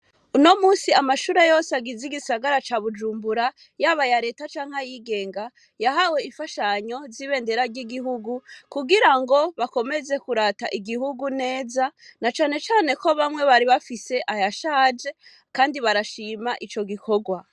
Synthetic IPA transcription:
uno̞muːsiamaʃuːɾe̞jo̞ːseaɡiziɡisaɡaɾat͡ʃaβud͡ʒuːmbuɾa | jaβajaɾe̞ːtat͡ʃaːŋ̥hajiɡe̞ːŋɡa | jaɦawe̞iɱfaʃaɲo̞ziβe̞ːnde̞ɾaɾɟiɡiɦuɡukuɡiɾaŋɡo̞βako̞me̞ze̞kuɾataʔiɡihuɡune̞ːzanat͡ʃaːne̞t͡ʃaːne̞ko̞βamŋe̞βaɾiβafise̞ʔajaʃaːd͡ʒe̞ | kaːndiβaɾaʃimaʔit͡ʃo̞ɡikʰo̞ɡwa

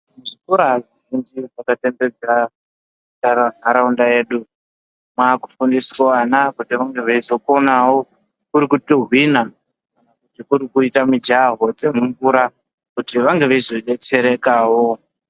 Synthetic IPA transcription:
muʐikuɾaaziʒind͡ʒiʐakate̞mbe̞d͡za | taɾaŋaɾaundaje̞ːɗu | mwaːku̥fundiswanakutiʋaŋɡe̞ʋaizo̞konawo̞ | kuɾikutoɦwina | kanakutikuɾikuitamid͡ʒaɦo̞t͡se̞muɱvuɾa | kutiʋaŋɡe̞ʋaizo̞ɗe̞t͡se̞ɾe̞kaːwo

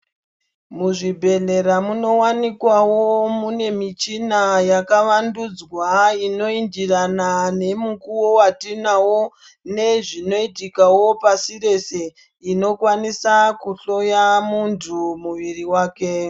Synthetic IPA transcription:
muʐibʱe̞ɮe̞ɾamuno̞wanikwawomune̞mit͡ʃinajakaʋandud͡zwaino̞ind͡ʒiranane̞mukuwowatinawo̞ | ne̞ʐino̞itikawo̞pasiɾe̞se̞ | ino̞kwanisakuɬo̞jamuntʰumuʋiriwaːke̞

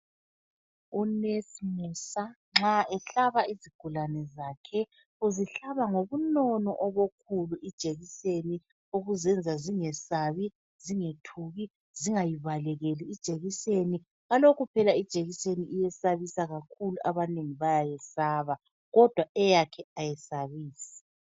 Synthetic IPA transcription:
unesmusa | ŋ͡ǁaɛɬaβaiziɡ̥ʱulanɛzaːkʰɛ | uziɬaβaŋoβunɔnɔʔɔβokʰuluʔid̥ʒ̥ʱeɣiseni | oɣuzɛnd͡zʱaziŋɛsaβi | z̥iŋetʰuɣi | ziŋajiβalɛɣɛliid̥ʒ̥ʱeɣiseni | ɣalokʰupʰɛlaid̥ʒ̥ʼʱeɣiseniʔijɛsaβisaɣakʰuluʔaβaneŋiβajajɛsaːβa | ɣɔd̥ʱwaɛjakʰɛajɛsaβiːsḁ

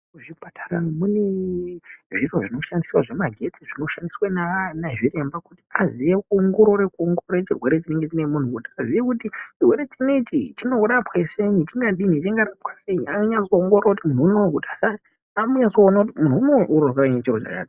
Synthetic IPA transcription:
ʐipatʰaramune | ʐiroʐino̞ʃandiswaʐe̞maɡʱe̞t͡siʐino̞ʃandiswananaʐire̞mbakuti̥azijekuŋɡoɾoɾekuoŋɡoɾet͡ʃirwe̞ɾe̞t͡ʃine̞ŋɡe̞t͡ʃine̞mun̤ukutiazijekutit͡ʃirwe̞ɾe̞t͡ʃine̞it͡ʃit͡ʃino̞uɾapwe̞se̞nit͡ʃiŋɡaɗinit͡ʃiŋɡaɾapwaseɲaŋɡaɲasoːŋɡorrakutimununokutiasa | amuɲasoːnautimununoʔurokeranet͡ʃirot͡ʃa̰t͡ʃa̰ːti

